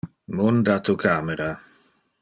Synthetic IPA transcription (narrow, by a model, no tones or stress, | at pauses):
mond̪at̪ukʰaːmeɾa